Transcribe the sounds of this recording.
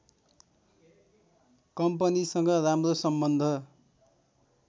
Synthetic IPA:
kʌmpʌnisʌŋɡʌramrosʌmbʌnd̪ʱʌ

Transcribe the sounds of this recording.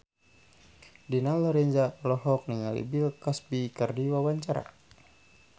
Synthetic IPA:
dinalɔɾɛnzalɔɦɔk̚niŋalḭbilkasbikərdiwawaɲt͡ʃaɾa̰

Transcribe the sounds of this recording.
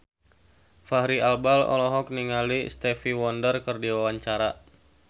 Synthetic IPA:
fahɾialbalɔ̰lɔɦɔk̚niŋalist̪ɛfiwɔndərkərdiwawaɲt͡ʃaɾa

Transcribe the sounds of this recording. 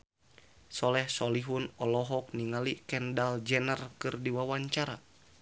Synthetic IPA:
sɔlɛhsɔliɦunɔlɔɦɔk̚niŋalikɛndald͡ʒɛnərkɨrdiwawaɲt͡ʃaɾa

